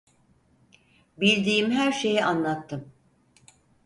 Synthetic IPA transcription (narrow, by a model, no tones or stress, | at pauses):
bilʲd̪iːmɦæɾʃe̞jiʔanlˠat̪ʰːɯm